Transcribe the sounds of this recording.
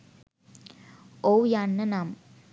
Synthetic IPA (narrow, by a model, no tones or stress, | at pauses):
owjanːənam